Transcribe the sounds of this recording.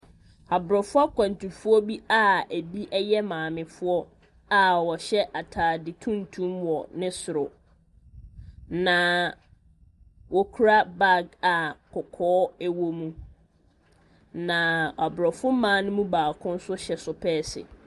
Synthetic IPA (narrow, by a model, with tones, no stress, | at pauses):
a˨bɾɔ˨fʊ˦a˦kʷʰã˨n˨tʰu˨fʊ˦ɔ˦bi˦a˦æ˨bi˦ʔɛ˦jɛ˦mãː˨mɪ̃˨fʊ˦ɔ˦ | a˨wɔ˨ɕɛ˦ʔa˨tʰaː˨dɪ˨tʰũ˦ntʰũ˦mwɔ˨nɪ̃˦sʊ˨ɾʊ˨ | nã˨ | wɔ˨kʰu˦ɾa˦ba˦˨ɡa˨kʰɔ˨kʰɔː˦æ˦wo˦mũ˦ | nã˨a˨bɾɔ˨fʊ˦mãː˨˦nʊ̃˦mũ˦baː˨kʰʊ̃˦n̩˦sʊ˦ɕɛ˨sʊ˦pʰɛː˦sɪ̰˨